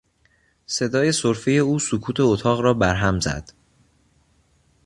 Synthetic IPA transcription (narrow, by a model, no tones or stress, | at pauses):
se̞d̪ɒːje̞soɾfijeuːsokʰuːt̪ʰe̞ot̪ʰɒːɣɾɒːbæɾɦæmzæ̰d̪̥